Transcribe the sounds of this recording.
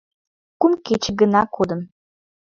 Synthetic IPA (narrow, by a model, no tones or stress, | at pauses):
kumket͡ɕə̆ɡənɑkod̪ə̆m